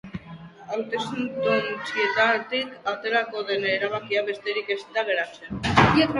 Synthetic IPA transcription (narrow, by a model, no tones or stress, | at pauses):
awt̪esunt̪unt͡siet̪at̪ikat̪e̞ɾako̞ðe̞neɾaβ̞akiaβe̞st̪e̞ɾike̞st̪aβe̞ɾat͡seniek